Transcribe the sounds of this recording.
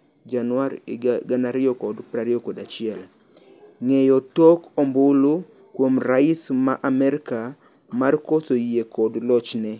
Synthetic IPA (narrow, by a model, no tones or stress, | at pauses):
d͡ʒanwaɾɡanaɾɪɔkɔdpɾaɾɪjɔkɔdat͡ʃɪɛl | ŋejɔtokɔmbʊlʊ | kwomraɪsmaʔamɛɾka | markɔsojekɔdlɔt͡ʃnɛ